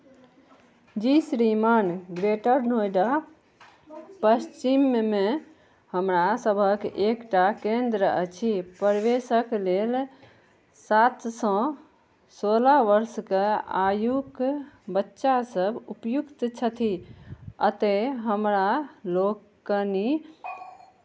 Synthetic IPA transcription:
d͡ʒisɾimanɡɾeʈəɾnojɖa | pəst͡ʃimme | həmɾasəbʱəkekʈakend̪ɾəə̰t͡ʃʰipəɾʋesəklel | sat̪sɔ̃ | solaʋəɾskea̰jukbətːʃasəbʱupjukt̪t͡ʃʰət̪ʰi | ət̪eɦəmɾalokː | əni

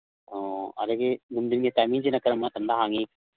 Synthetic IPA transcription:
oːɐ̰lɐɡeɡumd̪inɡet̪aːmiːnd͡ʒinɐkːɐɾɐmːat̪ɐnd̪aɦaːŋɡi

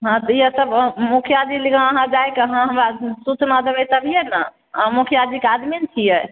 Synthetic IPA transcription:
ɦãt̪ɔiəsəbmukʰjad̪ilikʰə̃əɦãd͡ʒajkeəɦãɦəmɾasut͡ʃnad̪ebɛt̪əbʱijena | ãmukʰjad̪ikead̪minet͡ʃʰijɛ

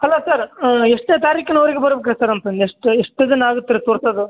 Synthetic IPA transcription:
hɐlːosɐɾeʂʈet̪aːɾiːkinɐʋɐɾiɡebɐɾbek̬ːɾɐsaɾɐnt̪ɐnd̪ieʂʈeʂʈːɐd̪enaːɡut̪ːiɾet̪oːɾsɐd̪u

